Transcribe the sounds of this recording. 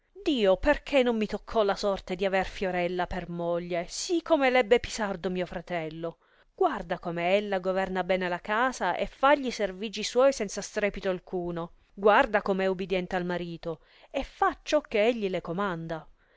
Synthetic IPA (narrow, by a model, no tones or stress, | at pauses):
d̪iːoperkʰenːomːit̪okʰːɔlasɔrt̪ed̪iaverfjoɾɛlːapermoʎːesikʰːomelɛbːepi̥sard̪omiːofɾat̪ɛlːo | ɡ̥ward̪akomeelːaɡovɛrnabɛːnelakaːzaʔḛfːaʎːiserviːd͡ʒiswɔjsɛnt̪sast̪ɾɛːpit̪oalkʰuːno | ɡward̪akomeɛubːid̪jɛnt̪ealmaɾiːt̪o | effːat͡ʃːɔkːeeʎːilekomand̪a